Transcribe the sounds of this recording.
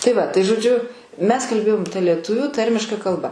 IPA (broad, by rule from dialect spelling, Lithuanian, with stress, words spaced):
tɐɪ ˈʋɐ tɐɪ ʒoːˈd͡ʒʲʊ ˈmʲɛs kɐlʲˈbʲeːjoːm tɐ lʲiɛˈtʊʋʲuː ˈtɐrʲmʲɪʃkɐ kɐlˠˈbɐ